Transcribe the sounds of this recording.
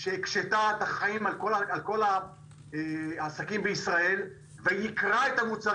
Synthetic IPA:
ʃeːkʃet̪aet̪aχaimalkolaalko̞la | asakimbeisʁae̞l | vejikʁaet̪amut͡sa

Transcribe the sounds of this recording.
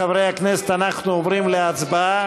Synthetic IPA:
avʁejhakneset̪anaχnuovʁimleat͡sbaa

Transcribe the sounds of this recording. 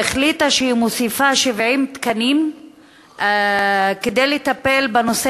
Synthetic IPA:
eχlit̪aʃehimosifaʃevʕimt̪kanim | ked̪ejlet̪ape̞lbano̞se

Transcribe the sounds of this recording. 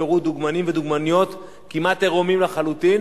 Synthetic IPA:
eʁud̪uɡmanimved̪uɡmanijo̞t̪ | kimat̪eʁomimlaχalut̪in

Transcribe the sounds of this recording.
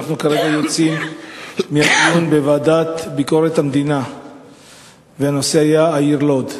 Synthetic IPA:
χnukaʁe̞ɡajo̞t͡simː | iatjunbevaːd̪at̪biko̞ɾet̪hamd̪ina | veano̞se̞ajaːiʁlo̞d̪

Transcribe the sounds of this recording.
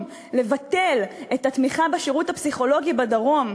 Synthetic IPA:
le̞vat̪e̞letatmiχabeʃeʁuthapsiχo̞lo̞ɡibadaʁo̞m

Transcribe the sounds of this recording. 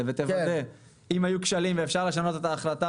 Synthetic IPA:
evet̪evade | imajukʃalimveːfʃaʁle̞ʃ̬ano̞t̪et̪aːχlat̪a

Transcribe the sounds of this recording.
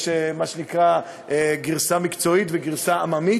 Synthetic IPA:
ʃemaʃenikʁa | ʔeɡiʁsamikt͡so̞it̪veɡiʁsaamami

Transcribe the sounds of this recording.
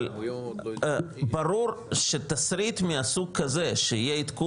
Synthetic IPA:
l | baɾuɾʃet̪asɾit̪miasuɡ̚kɐze̞ʃeijeit̪ku

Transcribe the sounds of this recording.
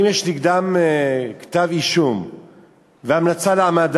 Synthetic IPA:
mjeʃniɡd̪amekt̪aviʃum | veamnat͡saleamad

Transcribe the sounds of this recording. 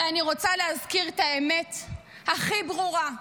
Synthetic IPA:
aniʁo̞t͡saleɦazkiʁet̪aemet̪ | haχibʁuʁa

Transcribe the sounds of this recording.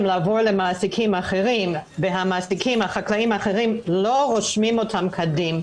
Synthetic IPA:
mlaːvoʁlemaːsikʰimaχeʁimveɦamasikʰimhaχaklaimaχeʁimloʁoʃmimotʰamkʰadim

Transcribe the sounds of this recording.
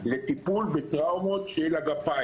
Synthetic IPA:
let̪ipulbet̪ʁawmot̪ʃlaɡapa

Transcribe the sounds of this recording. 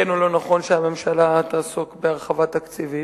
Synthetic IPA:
enolo̞naχo̞nʃeame̞mʃalat̪aːsukbeaʁχavat̪akt͡sivi

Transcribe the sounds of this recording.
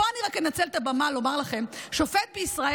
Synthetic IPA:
oaniʁakmenat͡selt̪abamalo̞maʁlaχe̞mʃo̞fet̪̚beisʁae

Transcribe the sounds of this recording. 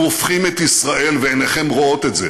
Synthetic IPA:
ofχimet̪isʁaʔe̞lveeneχemʁoo̞t̪e̞tze

